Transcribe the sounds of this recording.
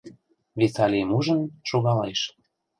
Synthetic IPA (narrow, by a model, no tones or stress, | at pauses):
βesɑlʲemuʒənʃoɣɑleʃ